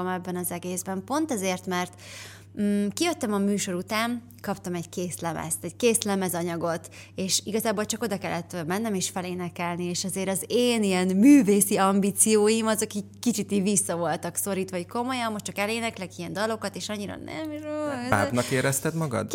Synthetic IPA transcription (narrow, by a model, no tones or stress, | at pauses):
ɒmɛbːɛnɒzɛɡeːzbɛmpo̞nt̪ɛzeːrt̪mɛrt̪̩ː | kijøt̪ːɛmɒmyːʃo̞ɾut̪aːn | kɒpt̪ɒmɛɟkeːslɛmɛ̰st̪ɛɟkeːslɛmɛzɒɲɒɡo̞t̪ | eːʃiɡɒzaːbolt͡ʃɒko̞d̪ɒkɛlːɛt̪ːmɛnːɛmeːʃfɛleːnɛkɛlnieːʃɛzeːɾɒzeːnijɛnmyːveːsiɒmbiːt̪sijoːjimɒzɒkikːit͡ʃit̪ivisːɒvo̞lt̪ɒkso̞ɾiːt̪ʋɒɦocko̞mo̞jɒmːoʃtt͡ʃɒkɛleːnɛklɛkijɛnd̪ɒlo̞kɒt̪eːʃɒɲːiɾɒ̰nɛ̰mroa̰ːbnɒkeːɾɛst̪ɛd̪mɒɡɒ̰d̪